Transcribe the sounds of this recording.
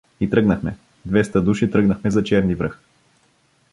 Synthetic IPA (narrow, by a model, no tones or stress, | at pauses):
it̪ɾɤɡnɐxmɛ | d̪vɛst̪əd̪uʃit̪ɾɤɡnəxmɛzɐt͡ʃɛɾnivɾɤx